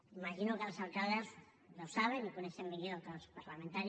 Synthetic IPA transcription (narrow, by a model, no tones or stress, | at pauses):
imaʃinokelasalkaðez | losaβ̞enikonesembiloalkaðspaɾlament̪aɾ